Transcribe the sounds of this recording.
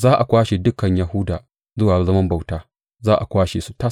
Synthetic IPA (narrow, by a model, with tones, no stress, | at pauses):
zaː˦ʔa˨kʷaː˦ʃe˨dʊ˦kɐ˨ɲja˦ɦʊ˦daː˨ | zʊ˦waː˨zɐ˦mɐ˦mba˨wtaː˦ | zaː˦ʔa̰˨kʷaː˦ʃe˨su˦ta˦